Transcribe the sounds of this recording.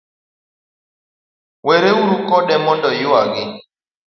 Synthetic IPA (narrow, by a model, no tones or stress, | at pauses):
weɾeuɾukɔɗɛmɔndɔjʊaɡɪ